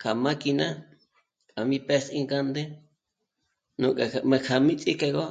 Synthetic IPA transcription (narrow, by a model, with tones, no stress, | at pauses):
kʰa˨mã˦ki˧nã˦ | kʼa˨mĩ˦pe˦sĩ˦ŋɡa˦nd̪e˦ | nũ˧kʼe˨˧mẽ˧kʰa˨mĩ˦t͡sʼi˦ke˧ɣo˦